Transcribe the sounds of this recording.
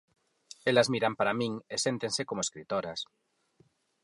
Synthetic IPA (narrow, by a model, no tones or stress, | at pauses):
elazmiɾampaɾamĩŋesent̪ensekomoeskɾit̪oɾas